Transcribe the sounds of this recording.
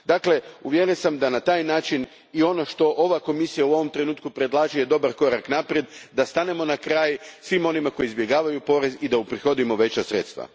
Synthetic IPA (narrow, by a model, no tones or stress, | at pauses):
d̪akle̞uʋjeɾensamd̪anat̪aːjnaːt͡ʃin | io̞no̞ʃt̪o̞ʔo̞ʋako̞misijauo̞ʋo̞mt̪ɾe̞nuːt̪kupɾe̞d̪lˠaːʒije̞d̪o̞baɾko̞ɾaknapɾje̞d̪d̪ast̪ane̞mo̞nakɾaːjsʋimo̞nimako̞jizbje̞ɡaːʋajupo̞ɾe̞zid̪aupɾixo̞d̪imo̞ʋe̞t͡ɕasɾe̞̰t̪st̪ʋa̰